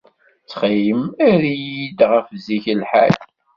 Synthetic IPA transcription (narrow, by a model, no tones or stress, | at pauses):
t͡sχijəmæɾjid̪ʁəfziçəlħæ̰l